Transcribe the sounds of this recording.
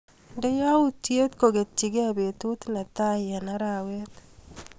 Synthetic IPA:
nde˦ja˦uje˦t̪ko˨ɡe˨t̚t͡ʃi˨ɡe˦a˦be˨t̪u˦t̪na˨t̪a˦ja˨na˦ɾa˨we˦t̪

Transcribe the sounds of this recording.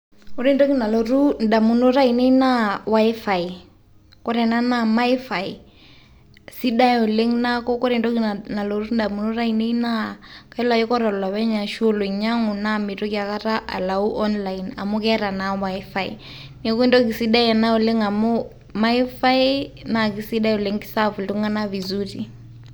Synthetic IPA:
o˦ɾi˦˨ndɔ˦ki˨na˨lo˨ɾu˦nda˨mu˨no˦ɾa˦i˨ne˦i˦na˦wa˦ɛ˦fa˨i˨ | kɔ˦ɾɛ˨na˦na˦ma˦i˦fa˨i˨ | si˦da˦o˨le˦ŋna˦kɔ˦kɔ˦ɾɛ˨ndɔ˦ki˨na˨lo˨ɾu˦nda˨mu˨no˦ɾa˦i˨ne˦i˦na˦ka˦i˦la˨i˦kɔ˦ɾɔ˨la˨βɛ˦ɲa˨ʃo˦lo˨ɲa˦ŋu˨na˦mi˨to˦ka˨ka˦ɾa˦ʔa̰˨la˨u˦ʔɔ˦nla˨ina̰˨mu˦kɛ˦ɾa˨na˨wa˦fa˦ḭ˨ | ne˦ku˦i˦ndɔ˦k̬i˨si˦da˦ɛ˨na˦o˨le˦ŋa˨mo˦ | ma˦i˦fa˦ina˨ki˨si˦da˦jo˨le˦ŋki̥˦sa˦fu˨lto˦ŋa˦na˦vi˨zu˦ti˨

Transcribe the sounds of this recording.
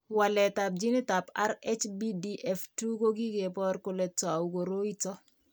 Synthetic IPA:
walɛ˨tap̚d͡ʒi˦nɪ˦tapa̰˦ɾɛt͡ʃbidiʔɛftu˦ko˦ɡi˦ɡepɔ˦ɾkʊ˨lɛtɔ˨a˨uko˨ɾo˦i˦tɔ˦

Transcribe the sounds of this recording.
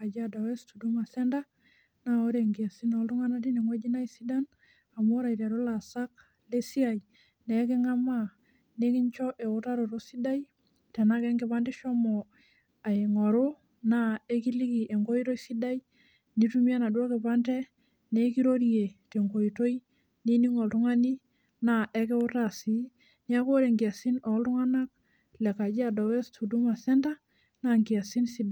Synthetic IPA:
a˨d͡ʒada˨we˦stu˨du˦ma˨sɛ˦nda˦ | nao˦ɾe˨ŋɡia˨si˦nɔltu˦ŋa˦na˦ti˦ne˨ŋwe˦d͡ʒi˦na˦isi˦da˦n | a˨mo˦ɾa˨ita˨ɾo˦la˨sa˦k | le˦si˦a˨j | ne˨˦ke˦ŋa˦ma | ne˦ki˦ɲt͡ʃɔ˦ʔe˨u˦ta˦ɾo˨ɾo˦si˦da˦j | te˨nake˦ŋɡɪ˦pande˦ʃɔ˦mɔ˨ | a˨i˨ŋo˨ɾo˦ | na˦e˦ki˦li˦ki˨ʔe˨ŋko˦i˦ɾo˦jsi˦da˦j | ni˦tu˦mi˦a˦na˨dwɔ˦kɛ˨pantɛ˦ | ne˦ki˦ɾo˦ɾije˨te˨ŋko˨i˨to˦j | ni˦ni˦ŋɔ˨ltu˦ŋa˦ni˦ | na˨ʔɛ˦kɛ˦ʊ˦ta˦si˦ | ni˦a˦ko˦ɾe˨ŋɡi˨a˨si˦nɔ˨ltu˦ŋa˦na˦k̚ | lɛ˨ka˨d͡ʒi˦a˨dɔ˨wɛ˦stʰu˨du˦ma˨sɛ˦nda˦ | na˨ŋɡi˨a˨si˦nsi˦da˨

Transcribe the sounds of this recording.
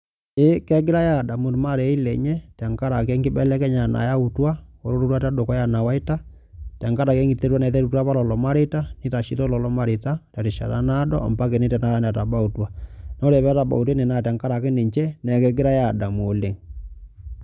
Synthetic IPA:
e˦kɛ˦ɡɪ˦ɾa˦ja˦˨da˨mu˨ɾma˦˨ɾɛ˨˦i˦lɛ˨ɲɛ˦tɛ˨ŋka˦ɾa˨kɛ˦ŋɡi˦bɛ˦lɛ˦kɛ˦ɲa˨na̰˨ja˦u˨twa˦o̰˨ɾo˦ɾu˦twa˦ta˦do˨kɔ˦ja˨na˨wa˦i˦ta˦ | ta˨ŋka˦ɾa˨kɛ˦ŋɡi˨te˦ɾwa˦nɛ˨ðɛ˦ɾu˦˨ta˦βa˦lɔ˨lɔ˨ma˦ɾe˦ta˦ni˦ta˨ʃi˦to˦lɔ˨lɔ˦ma˦ɾe˨ta˦ta˨ɾi˨ʃa̰˨ɾa̰˦na˦dɔ˦ɔ̰˨mpa˦ke˨ne˦tɛ˨na˦ɾa˦n˨a˨ta˨ba˦u˨twa˨na˦ɾɛ˨βɛ˦ta˨ba̰˨u˨t̬we˦ne˨na˨ta˨ŋka˦ɾa˨ke˦ne˨ɲt͡ʃɛ˦nɛ˨kɛ˦ɡɪ˦ɾa˦ja˨da˨mo˨le˨ŋ

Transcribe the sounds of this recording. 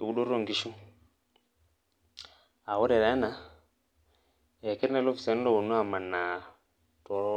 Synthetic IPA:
u˦ɗo˦ɾo˦ŋɡi˦ʃu˦ | a˨wo˦ɾe˨ɾa˨˦na˨ | e˨ki˦ɾna˦lo˦fi̥˨se˨n˦lo˦wu˨nːu˦a˨ma˨nːa˨ | to˨ɾ

